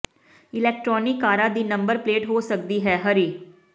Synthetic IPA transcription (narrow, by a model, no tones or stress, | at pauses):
ɪlɛːk̚ʈɾɔːnɪkːaːɾãːd̪iːnəmbəɾpleːʈɦoːsək̚d̪iːɦɛːɦəɾiː